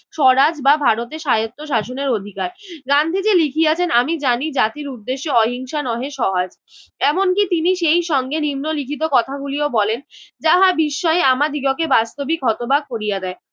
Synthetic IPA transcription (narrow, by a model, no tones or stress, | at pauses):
ʃɔɾad͡ʑbabʱaɾot̪̬eʃajot̪ːoʃaʃoneɾod̪ʱikaɾɡand̪ʱid͡ʑelikʰijat͡ɕʰenamid͡ʑanid͡ʑat̪iɾud̪ːeʃːeɔɦiŋʃanɔɦeʃɔɦad͡ʑ | ɛmonkit̪iniʃejʃɔŋɡenimnolikʰit̪̬okɔt̪ʰaɡuliobɔlend͡ʑaɦabiʃːɔeamad̪ʱiɡɔkebast̪obikɔt̪obaɡ̚koɾijad̪ɛe